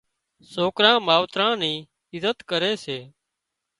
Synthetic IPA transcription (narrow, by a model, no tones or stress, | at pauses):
soːkɾãːmaːʋt̪ɾãːnĩː | ɪzət̪kəɾeːseː